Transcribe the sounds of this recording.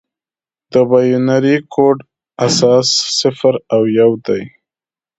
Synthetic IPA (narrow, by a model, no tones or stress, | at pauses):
d̪̥əbajunaɾikʰoɖ | asɑsːɪfɾawjawd̪aj